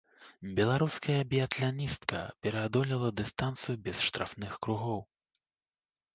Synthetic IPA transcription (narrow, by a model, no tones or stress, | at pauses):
bʲɛlˠaɾuskɐjɐbʲiat̪lʲanʲist̪kɐ̰pʲɛɾɛad̪ɔlʲilˠɐd̪ɨst̪ant̪sɨjubʲɛsʂt̪ɾa̰fnɨxkɾuɣɔw